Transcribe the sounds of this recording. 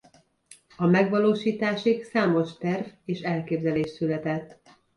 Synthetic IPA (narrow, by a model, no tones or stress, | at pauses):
ɒmɛɡʋɒloːʃiːt̪aːʃiksaːmo̞ʃt̪ɛrveːʃɛlkeːbzɛleːʃsylɛt̪ɛt̪ː